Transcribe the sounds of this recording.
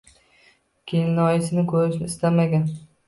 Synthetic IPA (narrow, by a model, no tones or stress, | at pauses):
kʲʰenlɒjɪsɪnɪkʰɵɾɪʃnɪɪst̪amaɡʲan